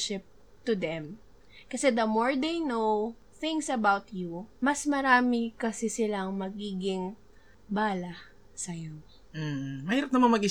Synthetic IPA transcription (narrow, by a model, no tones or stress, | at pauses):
ʃɪp̚ | t̪ʊd̪ɛm | kɐsɛd̪ɐmoɹd̪ejnow | θɪ̃ŋsɐbawt̪jumɐsmɐɾaːmɪkɐsɛsɪlaɐŋmɐɡiːɡɪŋ | baːlɐ | sɐjo | m̩ːmɐhiːɾɐp̚nɐmaŋmɐɡʔi